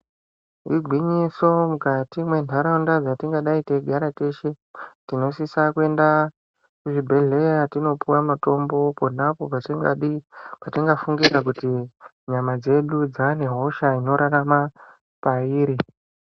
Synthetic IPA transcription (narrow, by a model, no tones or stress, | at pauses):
iɡʱwiɲiso̞mukatimwe̞ntʰaɾaundad͡zatiŋɡaɗaite̞ɡʱaɾate̞ʃe̞ | tino̞sisakue̞nda | kuʐibʱe̞ɮe̞jatino̞puwamato̞mbo̞po̞napo̞patiŋɡa̰ɗipatiŋɡafuŋɡiɾak̬uti | ɲamad͡ze̞ɗud͡zane̞ɦo̞ʃaino̞ɾarama | paiːɾi